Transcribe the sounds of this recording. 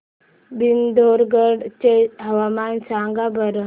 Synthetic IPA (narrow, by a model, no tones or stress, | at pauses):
bind̪oːɾɡəɽt͡ʃeɦɐʋaːmaːnsaːŋɡabəɾ